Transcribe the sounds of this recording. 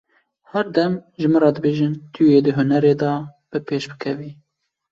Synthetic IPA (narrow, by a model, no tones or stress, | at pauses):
hɛɾd̪ɛmʒɨmɨɾɑːd̪ɨbeːʒɨnt̪ʰujeːd̪ɨɦʊnɛɾeːd̪ɑː | b̥ɨpʰeːʃbɨkʰɛviː